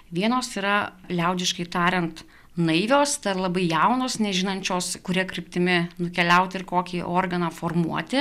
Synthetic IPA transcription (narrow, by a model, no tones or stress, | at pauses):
ʋʲiɛnoːsiːɾɐlʲɛʊd͡ʒʲɪʃkɐɪt̪ɑːɾʲɛnt̪ | nɐɪʋʲoːst̪ɐɾlˠɐbɐɪjɛʊnoːsnʲɛʒʲɪnɐnʲt͡ʃʲoːskʊɾʲiɛkɾʲɪpʲt̪ʲɪmʲɪnʊkʲɛlʲɛʊt̪ʲɪɾkoːkʲiːʔoːrɡɐnɑːfoːrmuɔt̪ʲɪ